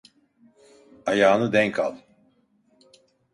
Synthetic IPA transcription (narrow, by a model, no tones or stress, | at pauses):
ajaːnɯd̪ɛŋkʰalˠ